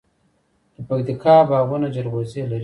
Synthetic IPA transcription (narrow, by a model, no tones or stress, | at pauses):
d̪̥əpak̚t̪ikɑbɑɣunad͡ʒaɾɣozelaɾi